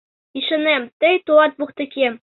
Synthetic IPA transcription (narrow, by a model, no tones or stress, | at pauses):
iʃɘ̆næmt̪ɘjt̪uɑt̪̚buqt̪ɘ̆kʲim